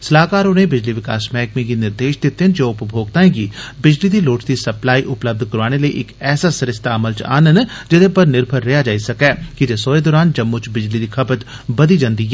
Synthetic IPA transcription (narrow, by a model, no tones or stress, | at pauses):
səlaːkaːɾõnẽbɪd͡ʒliʋɪka̰ːsmɛːkmẽɡinɪɾd̪eːʃd̪et̪ːend͡ʒoːʊpbʱoːɡ̚t̪aːẽɡiːbɪd͡ʒlid̪iloːʈd̪isɐplaːiʔʊpləb̚d̪ʱkəɾʋaːneləḭʔɪkɛːsasɐɾɪst̪ʰaːməlt͡ʃa̰ːnən | d͡ʒɪd̪epəɾnɪɾpʰəɾːejad͡ʒaːisɐkɛːkɪd͡ʒesoːed̪ɔːɾaːnd͡ʒɐmːot͡ʃbɪd͡ʒlid̪ikʰɐpət̪ | bɐd̪id͡ʒãnd̪iːɛ